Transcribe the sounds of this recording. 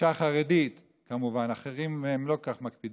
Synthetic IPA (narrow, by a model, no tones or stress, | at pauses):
aχaʁed̪it̪ | kamuvanaχeʁimemlo̞kaχmakpid